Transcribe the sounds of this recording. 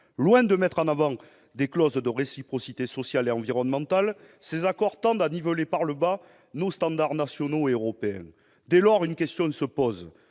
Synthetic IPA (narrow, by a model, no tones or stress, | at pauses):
lwɛ̃d̪əmɛt̪χɑ̃navɑ̃ | d̪eklɔzd̪əʁesipχɔsit̪esɔsjaleɑ̃viʁɔnəmɑ̃t̪al | sezakɔʁt̪ɑ̃d̪anivəlepaʁləba | nost̪ɑ̃d̪aʁnasjɔnoeøʁɔpeɛ̰̃ | d̪ɛlɔʁynəkʲɛst̪jɔ̃səpɔz